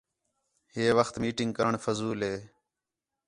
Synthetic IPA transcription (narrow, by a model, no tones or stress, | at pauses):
heːʋəxt̪miːʈɪŋɡ̚kəɳfəzuːleː